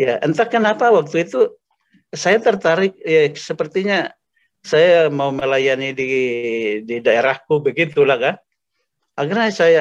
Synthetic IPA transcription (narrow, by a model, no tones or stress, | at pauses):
jaʔənt̪akːənapawak̚t̪uit̪u | sajat̪ərt̪aɾɪk̚jasəpərt̪iɲa | sajamauməlajanidi | didaeɾahkubəɡit̪ulahkan | aɡarɲasaja